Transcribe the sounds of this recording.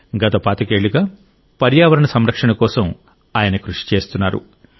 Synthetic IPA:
ɡɐt̪ɐpaːt̪ɐkeːɭːuɡaː | pɐɾjaːʋɐɾɐɳɐsɐmɾɐkʂɐɳɐkɔːsɐm | aːjɐnɐkɾuʂi̥t͡ʃe̞ːst̪unːaːɾṵ

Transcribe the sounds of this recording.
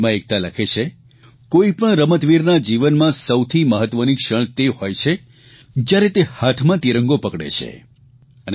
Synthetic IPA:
mãek̚t̪aləkʰet͡ʃʰe | koipəɳɾəmət̪ʋiɾnad͡ʒiʋənmãsəwt̪ʰiməɦət̪ʋənikʃəɭ̃t̪eɦojt͡ʃʰe | d͡ʒjaɾet̪ehat̪ʰmãt̪iɾə̃ŋɡopəkɽḛt͡ʃʰḛ | ən

